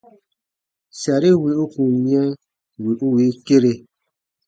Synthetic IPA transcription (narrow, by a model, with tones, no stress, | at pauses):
sja˨ɾi˦wi˨˦u˦kũ˨mĩ˦ɛ̃˦ | wi˨ʔu˦wi˨˦ke˦ɾe˨